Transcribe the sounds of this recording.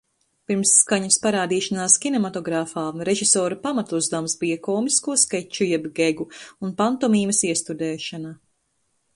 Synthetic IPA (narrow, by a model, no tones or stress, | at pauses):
piɾmsːkaɲuspaɾaːd̪iːʃanaːskʲinɛmat̪ɔɡɾafaːnɾeʒisɔːɾapamat̪uzd̪amsbijɐkɔːmiskuɔskɛt͡ʃujɛbɡeɡuunpant̪ɔmiːmɐsiɛst̪ud̪ɛːʃana